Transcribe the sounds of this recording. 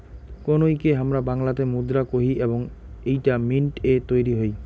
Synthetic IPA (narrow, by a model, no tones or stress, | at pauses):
konojkeɦamɾabaŋlat̪emud̪ɾakoɦiʔeboŋ | ejʈaminʈet̪ojɾiɦoj